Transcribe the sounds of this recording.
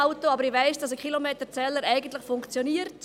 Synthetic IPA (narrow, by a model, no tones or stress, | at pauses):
ʊtoɑbəɾɪʋæɪsd̥ɑs̬əkχilomeːtət͡sɛləɾɛɪɡən̩tlɪχfʊŋkt͡sjoniːəɾt